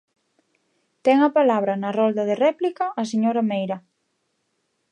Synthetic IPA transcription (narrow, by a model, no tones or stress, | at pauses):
t̪ɛŋɐpalaβ̞ɾɐnɐrɔld̪ɐðerɛplikɐʔːs̬eɲoɾamejɾɐ